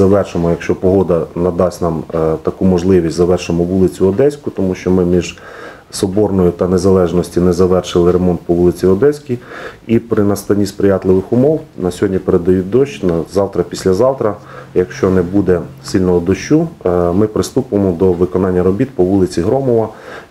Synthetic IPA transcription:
zɐʋɛrʃemɔjɐkʃt͡ʃɔpɔɦɔd̪ɐnɐd̪ɑsʲnɑmt̪ɐkumɔʒlˠɪʋʲisʲtʲzɐʋɛrʃɪmɔʋulˠɪt͡sʲʊɔd̪ɛsʲkʊt̪ɔmuʃt͡ʃɔmɪmʲiʒ | sɔbɔrnɔjʊt̪ɐnezɐlˠɛʒnɔsʲtʲinɛzɐʋɛrʃɪlˠɪɾemɔnt̪̚pɔʋulˠɪt͡sʲiɔd̪ɛsʲkʲiipɾɪnɐst̪ɐnʲispɾɪjɑt̪lˠɪʋɪxʊmɔwnɐsʲɦɔdʲnʲipeɾed̪ɐjut̚ʲd̪ɔʃnɐzɑwt̪ɾɐpʲisʲlʲɐzɑwt̪ɾɐ | jɐkʃt͡ʃɔnɛbud̪ɛsilʲnɔɦɔd̪ɔʃt͡ʃːumɪpɾɪst̪upʊemɔd̪ɔʋɪkɔnɑnʲːɐɾɔbʲit̪̚pɔʋulˠɪt͡sʲiɦɾɔmɔʋɐ

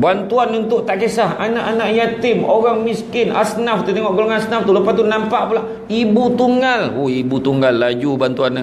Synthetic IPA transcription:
bant̪uanunt̪ʊʔt̪aʔkesaɦanaʔanaʔjat̪ɪmoɣaŋmiskɪnʔasnaft̪ut̪eŋɔʔɡoloŋanasnaft̪uləpast̪unampaʔpalah | ibut̪uŋalohibut̪uŋɡalːad͡ʒubant̪uan

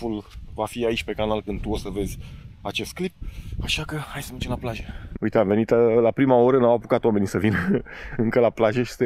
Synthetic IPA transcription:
ulvafiait͡ʃʲpe̞kanalkɨnd̪t̪uosəve̞zʲat͡ʃe̞st̪̚klip̚aʃakəhajsəmet͡ʃemlaplaʒeujt̪eave̞nit̪əlapɾimao̞ɾəɨnawapokat̪wame̞nisəvinɨŋkəlaplaʒeʃi̥st̪e

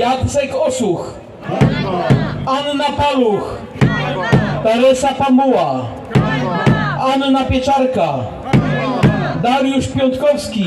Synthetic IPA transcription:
jat̪sɛkɔsux | anːapalux | t̪ɛɾɛsapambuwa | anːapʲjɛt͡ʂaɾka | d̪aɾjuʂpʲjɔnt̪kɔfskʲi

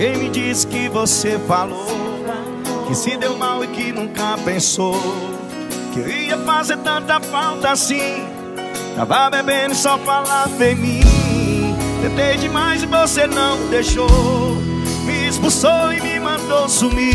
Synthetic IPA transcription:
kẽj̃mɪd͡ʒisɪ̥kɪvosefalo | kɪsɪd̪ewmawɪkɪnũkɐpẽso | kɪewiɐfazeɾt̪ɐ̃nt̪ɐfawt̪ɐasĩ | t̪a̰vabebẽnɪsɔfalaɾvẽmĩ | d̪epẽd͡ʒɪmajzɪvosenɐ̃w̃d̪ejʃo | mɪspusoɪmɪmɐ̃d̪owsumi

